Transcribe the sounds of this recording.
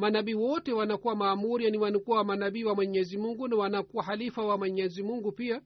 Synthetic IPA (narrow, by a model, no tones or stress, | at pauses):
manaɓiːwɔtɛwanakuwamaːmuɾijaniwanikuwawamanaɓiːwamwɛɲɛzimuŋɡunawanakuwahalifawamwɛɲɛzimuŋɡupia